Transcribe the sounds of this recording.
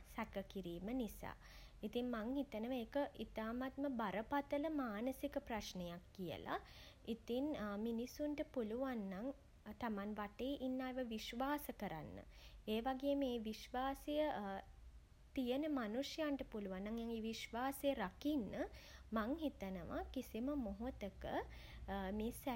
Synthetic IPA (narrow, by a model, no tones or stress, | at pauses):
sækəkiɾiːmənisa̰ː | it̪iŋmaŋɦit̪ənəʋəeːkəʔit̪aːmat̪məbaɾəpat̪ələmaːnəsikəpraʃnejakːijə̰lʔa̰ | it̪inminisuɳʈəpuluʋanːaŋ | t̪amanʋaʈeːʔinːaːeʋəʋiʃʋaːsəkəɾa̰nːə̰eːʋaɡejːmeːʋiʃʋaːsejə | t̪ijənəmanuʂjaɳʈəpuluʋanːaŋejaŋiʋiʃʋaːsejəɾakinːəmaŋɦit̪ənəʋa̰kisiməmoɦot̪əkə̰ | meːsæ